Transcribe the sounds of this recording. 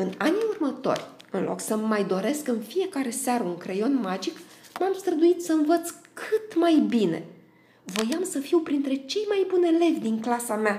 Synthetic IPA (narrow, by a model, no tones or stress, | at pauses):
ɨnaniurmət̪o̞̰rʲɨnlʔo̞̰ksəmajd̪o̞ɾe̞skɨnfije̞kaɾe̞saɾəuŋkɾejo̞nmad͡ʒikmamst̪ɾəd̪uit̪səɨnvət̪skʰɨt̪majbine̞̰ | vo̞jamsəfiwpɾint̪ɾe̞t͡ʃe̞jmajbunele̞vʲd̪iŋklasamea